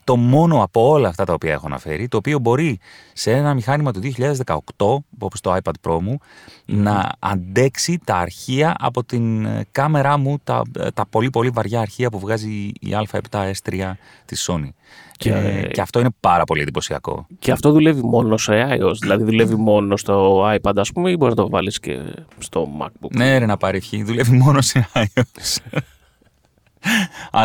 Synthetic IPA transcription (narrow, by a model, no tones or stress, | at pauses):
t̪o̞mo̞no̞ɐpo̞o̞lɐːft̪ɐt̪ɐopiɐe̞xoɐ̰nɐ̰fe̞̰ɾit̪o̞ːpio̞bo̞ɾisee̞nɐmixɐnimɐt̪uðioçiʎɐðe̞zðekɐo̞kt̪o̞opost̪o̞ajpɐd̪̚pɾo̞munɐɐ̰nd̪e̞ksit̪ɐːɾçiɐʔɐ̰po̞t̪inkɐme̞ɾɐmut̪ɐ̰t̪ɐpo̞lipo̞livɐɾʝɐːɾçiɐpuvɣɐziḭɐlfɐe̞̰pt̪ɐe̞st̪ɾiɐ | t̪iso̞ni | ḛceɐft̪o̞ine̞pɐɾɐpo̞liend̪ipo̞siɐ̰ko̞̰ceɐft̪o̞ðule̞vimo̞noseɐiosðilɐðiðule̞vimo̞nost̪oɐjpɐd̪ɐspumeibo̞ɾiznɐt̪ovɐ̰liscḛst̪o̞̰mɐ̰k̚buneeɾenɐpɐɾifçiðule̞vimo̞noseɐios | ɐ